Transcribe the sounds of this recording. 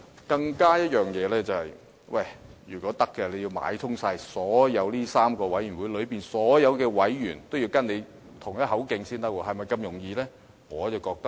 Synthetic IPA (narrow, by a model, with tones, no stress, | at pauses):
kɐ˧ŋkaː˥jɐ˥t̚jœː˨ŋjɛː˨˧lɛː˥t͡sɐ˨whɐ˨j | wɐ˥˩jjyː˨˩kʷɔː˨˥t̪ɐ˥kːɛː˧le˨˧ji˧wma̰ː˨˥jt̪ʰʊ˥ŋsaː˧jsɔː˨˥jɐ˨˧˥wliː˥saː˥mkɔː˧wɐ˨˥jɥyː˨˩nwuː˨˥jlɵ˨˧ɥpiː˨˩nsɔː˨˥jɐ˨˧wkɛː˧wɐ˨˥jːyː˨˩nt̪wji˧wkɐ˥ne˨˧j | t̪ʰʊ˨˩ŋjɐ˥t̚hɦɐ˨˥wkɪ˧ŋsiː˥nt̪ɐ˥k̚wɔː˧ɦɐ˨jmɐ˨˩jkɐ˧mjʊ˨˩ŋjiː˧lɛː˥ | ŋɔː˨˧t͡sɐ˨˩wkɔː˧k̚t̪ɐ˥k